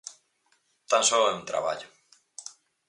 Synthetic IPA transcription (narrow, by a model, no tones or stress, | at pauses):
t̪ansoeũnt̪ɾa̰βa̰ʎo